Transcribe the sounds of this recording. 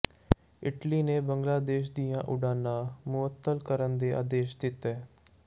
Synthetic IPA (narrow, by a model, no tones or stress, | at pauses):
ɪʈliːneːbəŋɡlaːd̪eːʃd̪ijãːʔʊɖaːnãːmʊət̪ːəlkəɾənd̪eːʔa̰ːd̪eːʃd̪ɪt̪ɛː